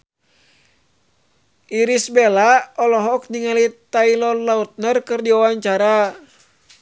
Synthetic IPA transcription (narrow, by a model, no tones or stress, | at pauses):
ʔiɾisbɛlaɔlɔɦɔk̚diŋalit̪ailɔnlaut̪̚nərkɨrdiawaɲt͡ʃaɾa